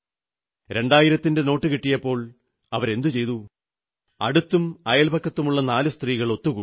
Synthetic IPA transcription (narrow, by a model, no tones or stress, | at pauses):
ɾe̞ɳɖaːjiɾɐt̪ːinde̞no̞ːʈːɨkiʈːijɐpːo̞ːɭ | ɐʋɐɾe̞nd̪ut͡ɕe̞jt̪u | ɐ̰ɽut̪ːumɐjɐlbɐkːɐt̪ːumuɭːɐnaːlust̪riːɣɐɭo̞t̪ːukuː